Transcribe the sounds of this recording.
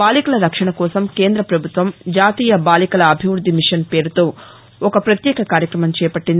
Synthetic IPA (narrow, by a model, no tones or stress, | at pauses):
baːlikɐlɐɾɐkʂɐɳɐkɔːsɐmke̞ːnd̪ɾɐpɾɐbʱut̪ʋɐmd͡ʒaːt̪iːjɐbaːlikɐlɐːbʱiʋɾud̪ʱːimiʂɐnpeːɾut̪oː | ɔkɐpɾɐt̪jɛːkɐkaːɾjɐkɾɐmɐmt͡ʃɛːpɐʈːind̪